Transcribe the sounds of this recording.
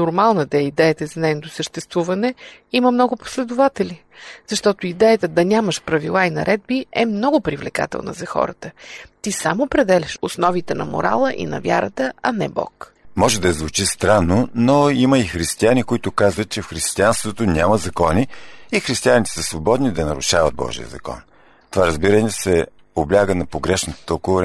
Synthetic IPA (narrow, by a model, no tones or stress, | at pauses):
nʊɾmalˠnəd̪ɛid̪ɛjət̪əzɐnɛɛnot̪osəʃt̪ɛst̪vuvɐnɛ | iməmnɔɡʊpo̥slɛd̪ʊvat̪ɛlʲi | z̥ɐʃt̪ɔt̪ʊid̪ɛjət̪əd̪ɐnʲaməʃpɾɐvilˠainɐ̰ɾʔɛd̪̚biɛmnɔɡʊpɾivlɛka̰t̪ɛ̰lˠnə̰zɐxɔ̰ɾə̰t̪ət̪isamopɾɛd̪ɛlʲɛʃosnɔvit̪ɛnɐ̰mo̰ɾa̰lˠəʔḭnɐ̰vʲja̰ɾət̪əɐnɛbɔ̰kmɔʒɛd̪ɐɛzvut͡ʃist̪ɾanːonoiməixɾist̪ianikoit̪ʊkazvət̪̚t͡ʃɛfxɾist̪ianst̪vot̪onʲaməzɐkɔniːxɾist̪ianit̪ɛ̥səsvobɔd̪nid̪ɐnɐɾʊʃavəd̪̚bɔ̰ʒḭə̰zɐ̰kɔ̰n | t̪ovaɾɐzbiɾənɛsɛ | oblʲaɡənɐpoɡɾɛʃnət̪t̪əʊkovoɾ